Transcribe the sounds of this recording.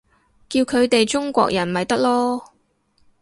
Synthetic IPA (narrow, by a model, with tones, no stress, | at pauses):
kiː˧wkʰɵ˨˧ɥt̪e˨jt͡ʃʊ˥ŋkʷɔ̰ː˧k̚jɐ˨˩nmɐ˨jt̪ɐ˥k̚lɔː˥